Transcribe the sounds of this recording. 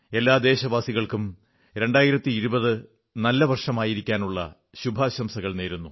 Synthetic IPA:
e̞lːaːd̪e̞ːɕɐbaːsiɣɐɭkum | ɾe̞ɳɖaːjiɾɐt̪ːiːɾubɐðɨ | nɐlːɐʋɐrʂɐmaːjiɾikʲːaːnuɭːɐ̰ | ɕubʱɐɕɐmsɐɣɐɭne̞ːɾunːu

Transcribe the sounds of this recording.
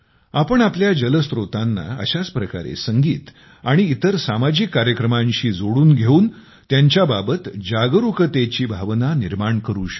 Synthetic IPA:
apəɳapljad͡ʑələst̪ɾot̪anːa̰ə̰ɕat͡spɾəka̰ɾḛsəŋɡiːt̪ | aɽ̃iːt̪əɾsamad͡ʑikːaɾjəkɾəmãɲɕiːd͡zoɽuːnɡʱeuːn | t̪jaɲt͡ɕjababət̪d͡ʑaɡɾukət̪et͡ɕiːbʱaʋnaniɾmaɳkəɾuːɕə̥

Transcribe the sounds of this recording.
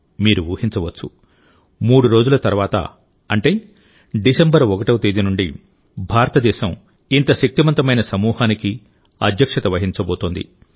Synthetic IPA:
miːɾuʋuːhiɲt͡ʃɐʋɐt͡ʃːu | muːɽuɾo̞ːd͡ʒulɐt̪ɐɾʋaːt̪ɐ̰ | ɐɳʈe̞ː | ɖisembɐɾɔkɐʈɐwt̪iːd̪inuɳɖi | bʱaːɾɐt̪ɐd̪ɛːʃɐm | int̪ɐʃɐk̚t̪imɐnt̪ɐmɐjnɐsɐmuːhaːniki | ɐ̰d̪ʱjɐkʂɐt̪ɐʋɐɦiɲt͡ʃɐboːt̪oːnd̪ḭ

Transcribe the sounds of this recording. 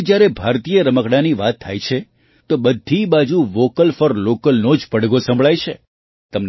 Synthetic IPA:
d͡ʒjaɾebʱaɾt̪ijəɾəməkɽaniʋat̪ʰːajt͡ʃʰe | t̪obəd̪ʱːibad͡ʒuʋokəlfəɾlokəlnod͡ʒpəɽɡosə̃mbʱɭajt͡ʃʰe | t̪əmn

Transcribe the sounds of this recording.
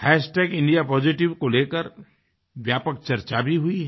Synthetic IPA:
hɛːsʈɛːɡɪ̃ɳɖijapɔːd͡ʒɪʈɪʋkoleːkəɾ | ʋjaːpək̚t͡ʃɐɾt͡ʃabʱiɦʊiɦ

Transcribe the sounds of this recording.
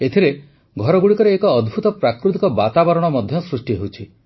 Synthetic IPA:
et̪ʰiɾe | ɡʱɔɾɔɡuɽikɔɾeːkɔːd̪bʱut̪ɔpɾakɾut̪ikɔbat̪abɔɾɔɽ̃ɔmɔd̪ʱjɔsɾusʈiɦewt͡ʃʰi

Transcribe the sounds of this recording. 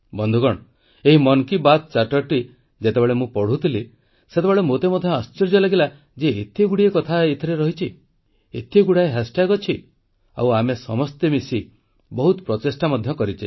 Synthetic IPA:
bɔnd̪ʱuɡɔɽ̃ | eɦimɔnkibat̪̚t͡ʃaʈɔɾʈi | d͡ʒet̪ebeɭemũpɔɽ̤ut̪ʰili | set̪ebeɭemot̪emɔd̪ʱjɔast͡ʃiɾd͡ʒɔlaɡila | d͡ʒeet̪ʰeɡuɽiekɔt̪ʰait̪ʰiɾeɾɔɦit͡ʃʰi | et̪ʰeɡuɽaeɦesʈaɡɔt͡ʃʰi | a̰wamesɔmɔst̪emisi | bɔɦut̪pɾɔt̪esʈamɔd̪ʱjɔkɔɾit͡ʃʰi

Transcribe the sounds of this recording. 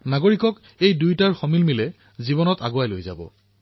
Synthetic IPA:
naɡoɹikɔk | ejdujtaɹxɔmilmilɛ | zibɔnɔta̰ɡowajlojza̰bɔ̰

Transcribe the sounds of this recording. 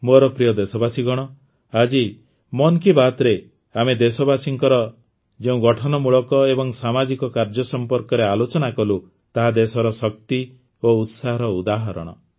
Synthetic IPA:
moɾɔpɾijɔd̪esɔbasiɡɔɽ̃ɔ | ad͡ʒi | mɔnkibat̪ɾe | amed̪esɔbasiŋkɔɾɔ | d͡ʒeũɡɔʈʰɔnɔmuɭɔkɔebɔŋsamad͡ʒikɔkaɾd͡ʒɔsɔmpɔɾkɔɾealot͡ʃɔnakɔlu | t̪aɦad̪esɔɾɔsɔk̚t̪i | out̪saɦɔɾɔud̪aɦɔɾɔ̰ɽ̃ɔ̰

